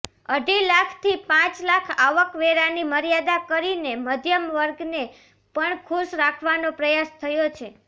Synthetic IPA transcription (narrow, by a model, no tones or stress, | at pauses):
əɖilakʰt̪ʰipãt͡ʃlakʰaʋəkʋeɾaniməɾijad̪akəɾineməd̪ʱjəmʋəɾɡne | pəɳkʰuʃɾakʰʋanopɾəjast̪ʰəjot͡ʃʰe